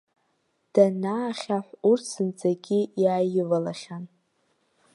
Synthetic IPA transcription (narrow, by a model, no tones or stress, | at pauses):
d̥anaːχʲaħʷurtʰsɨnt͡sʼaɡʲijaːjɪvalaχʲan